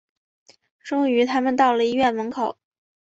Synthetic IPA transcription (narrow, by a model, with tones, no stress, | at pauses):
ʈ͡ʂʊ˥ŋy˧˥t̪ʰa˥mə˨nt̪ɑ˥˩ʊlə˨˩i˧˥ɥɛ˥˩nwə˧˥nkʰo˨˩˦ʊ